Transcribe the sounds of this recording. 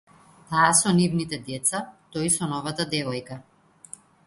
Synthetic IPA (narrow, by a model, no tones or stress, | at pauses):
t̪aːsɔnivnit̪ɛd̪ɛt̪sat̪ɔisɔnɔvat̪ad̪ɛvɔjka